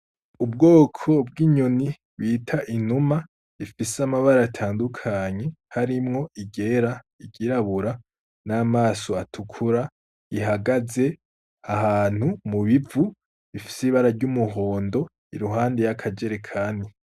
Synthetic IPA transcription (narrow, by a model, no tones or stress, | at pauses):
ub̚ɡo̞ːkʰo̞bɡiːɲoni | βitʰaʔinuma | ifisamaβaɾaatʰaːndukʰaɲe̞haɾimŋo̞iɟe̞ɾa | iɟiɾaβuɾa | naːmaːsoatʰukʰuɾa | iɦaɡaze̞ | aɦaːn̥humuβivu | βifi̥siβaɾaɾɟumuɦo̞ːndo̞ | iɾuɦaːndejakʰad͡ʒe̞ɾekʰaːni